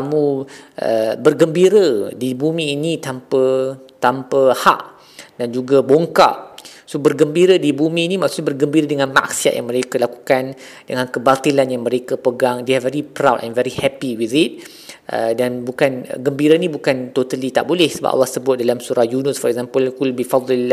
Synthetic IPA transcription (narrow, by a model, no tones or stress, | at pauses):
amũʔə̰bərɡəmbiɾədibumĩːnit̪ampə | t̪ampəha̰ʔ | dand͡ʒuɡaboŋka̰ʔsobərɡəmbiɾədibumiːnimaksuʔɲabərɡəmbiɾədəŋãnma̰ksia̰ʔ̚ja̰ŋməɾekalaku̥kan | dəŋãnkəbart̪ilanjaŋmə̃ɾekapəɡaŋdeavɛɾipɾawtɛ̰̃nvɛɾihɛpiwiðit̪̚ | ʔə̰danbukan̰ɡəmbiɾainibukant̪ot̪alit̪a̰ʔbolɛhsəba̰ʔa̰lːahsəbʊt̪̚dalamsuɾahjunəsfɔɾɛk̚zampəlkulbifad̪il